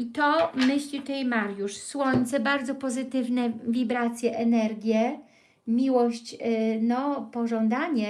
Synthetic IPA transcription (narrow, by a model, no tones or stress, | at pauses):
it̪ɔmɘɕlʲit̪ɛjmaɾjuʂswɔɲt̪sɛbaɾd̪zɔpɔzɘt̪ɘvnɛvʲibɾat̪sʲjɛʔɛnɛɾɡʲjɛ | mʲiwɔɕt͡ɕnɔpɔʐɔnd̪aɲɛ